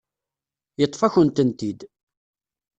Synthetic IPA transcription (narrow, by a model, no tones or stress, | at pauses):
jət̪ˤːfæçənt̪ənt̪id̪